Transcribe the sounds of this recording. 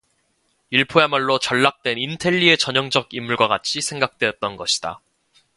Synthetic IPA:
iɭpʰoemaɭːot͡ɕʌɭːak̚t͈we̞nintʰe̞ʎːie̞t͡ɕʌɲʌŋd͡ʑʌɡimːuɭɡwaɡat͡ɕʰisʰe̞ŋɡak̚t͈we̞jʌt̚t͈ʌnɡʌɕʰi̥d̥a̰

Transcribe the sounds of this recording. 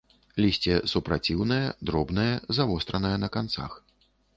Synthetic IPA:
lʲisʲt͡sʲɛsupɾat͡sʲiwnɐjɐd̪ɾɔbnɐjɐzavɔst̪ɾɐnɐjɛnɐkant̪sa̰x

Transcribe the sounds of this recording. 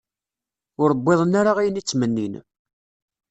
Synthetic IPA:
ʊɾbːeðˤənːaɾaʁijənit͡sːmənːin

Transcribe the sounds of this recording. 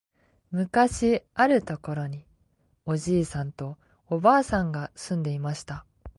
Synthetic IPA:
mɯ̟kaɕiaɾɯ̟t̪o̞ko̞ɾo̞ɲ̟i | o̞ʑiːsãnt̪o̞ | obaːsãŋɡasɨ̃nd̪e̞imaɕi̥t̪a

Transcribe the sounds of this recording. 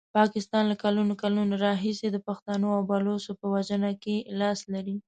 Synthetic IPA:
pɑkɪst̪ɑnlakalunokalunaɾɑɦised̪əpaxt̪anoawbalosopəwaʒənakelɑslaɾi

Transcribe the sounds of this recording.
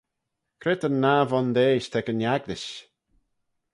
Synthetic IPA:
kʰɾɪt̪ənavɔnd̪eːʃt̪ʰɛkənjaɡd̪ɪʃ

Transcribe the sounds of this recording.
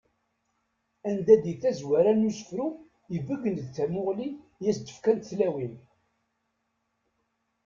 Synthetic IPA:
ænd̪æd̪iθæzwæɾænusə̥fɾu | jəvəɡːənd̪θæmʊʁli | jæst̪ːə̥fkænt̪θlæwin

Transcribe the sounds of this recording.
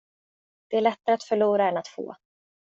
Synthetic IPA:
d̪̥ɛæːɭɛt̪ːaɾəat̪fœɭuːɾaɛnat̪fo̰ː

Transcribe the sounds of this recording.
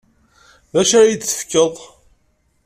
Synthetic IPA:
ðæʃæjət͡sːə̥fkːəðˤ

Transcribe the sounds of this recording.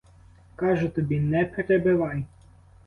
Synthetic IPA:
kaːʒɛt̪ɛbinɛpɛɾɛbɛʋaj

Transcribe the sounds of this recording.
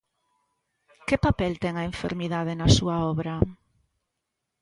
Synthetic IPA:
kepapɛlt̪ɛŋɐeɱfḛɾmiðað̞enɐsuɐɔβɾɐ

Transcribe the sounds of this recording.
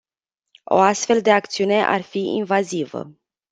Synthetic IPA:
o̞̰ast̪fe̞ld̪e̞akt̪siune̞ʔa̰rfiʔḭnvazivə̰

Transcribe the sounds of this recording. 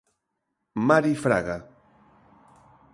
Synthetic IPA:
maɾifɾa̰ɣa

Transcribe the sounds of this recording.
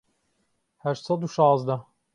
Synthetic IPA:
hæɾsɑd̪uʃaːzd̪ɐ

